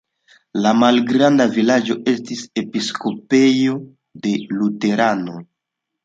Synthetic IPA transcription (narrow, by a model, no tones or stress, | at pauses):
lamalɡɾandavilad͡ʒo̞e̞stise̞pisko̞pe̞jo̞ | de̞lute̞ɾano̞